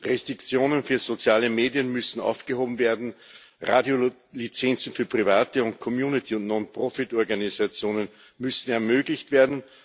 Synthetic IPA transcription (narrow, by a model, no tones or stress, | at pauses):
ʁɛstʁ̥ɪkt͡sjoːnənfyːɐzot͡sjaːləmeːdjənmʏsn̩ʔa̰ʊfɡ̥əhoːbm̩veːɐdn̩ | ʁaːdjo | lit͡sɛnt͡sn̩fyːɐpʁ̥ivaːtəʊ̃nt̚kʰɔmjuːnɪtʰiʊntnɔnpʁ̥ɔfɪtɔɐɡanizat͡sjoːnən | mʏsn̩ɛɐmøːɡlɪçtv̥eːɐdn̩